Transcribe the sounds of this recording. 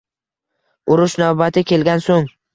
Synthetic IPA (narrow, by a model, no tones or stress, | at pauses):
ʊɾʊʃnawbat̪ʰɪkʲe̞lɡʲansoŋ